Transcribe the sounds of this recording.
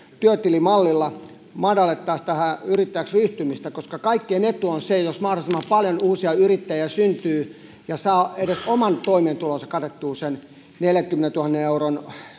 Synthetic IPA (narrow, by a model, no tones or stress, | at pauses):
t̪yøt̪ilimɑlːilːɑ | mɑdɑlet̪ːɑːst̪æhæyrit̪ːæjæksryht̪ymist̪ækoskɑkɑikːienet̪ːuonsejosmɑhdosimːɑmpɑljonuːsiɑyrit̪ːæjiæsynt̪yː | jɑsɑːeɾesomɑnt̪oimeːnt̪ulonsɑ̥kɑt̪et̪ːuːsen | neljækymːenent̪uhɑnːeneuron